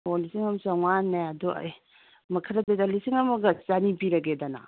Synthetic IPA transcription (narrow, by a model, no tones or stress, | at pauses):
olisiŋɐmsaŋanːeaduɐ̰j | mɐkʰɐɾɐdedalisiŋɐmɐɡɐt͡ʃanipiɾɐɡedɐnɐ̰